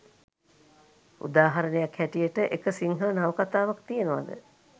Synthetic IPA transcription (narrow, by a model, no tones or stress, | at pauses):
ṵd̪aːɦaɾənejakhɛʈijəʈəʔekəsiŋɦələnaʋəkat̪aːʋakt̪ijenoʋa̰d̪ə̰